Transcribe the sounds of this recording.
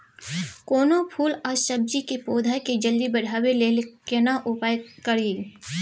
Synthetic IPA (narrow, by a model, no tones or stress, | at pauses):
koːnopʰuːlaʃɐb̚d͡ʒikepoːd̪ʱajked͡ʒɐld̪ibɐɽ̤ʱaːweleːlkenaʔʊpaːjkɐɾiː